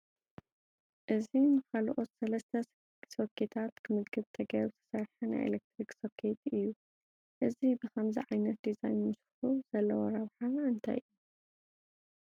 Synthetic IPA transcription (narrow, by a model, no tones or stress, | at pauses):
ʔɨzinɨkalʔot̪sɐlɐst̪ʰɐ | sokʰːet̪ʰat̪kʰɨmɨd̪ɡʰɨβt̪ʰɐɡɐɾbt̪ʰɐ̥sɐɾħɐna̰jʔḛlek̚t̪ɾiksokʰet̪ɨjːu | ʔɨzibɨxɐmziʕajnɐt̪̚d̪izajnmɨsɨħuz̥ɐlːɐwɐɾɐβħaɨnt̪ʰa̰jʔɨjːu